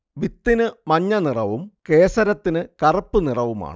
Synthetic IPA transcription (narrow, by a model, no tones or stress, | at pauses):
ʋit̪ːinɨmɐɲːɐnirɐʋumke̞ːsɐɾɐt̪ːinɨkɐrɐpːɨnirɐʋuma̰ːɳɨ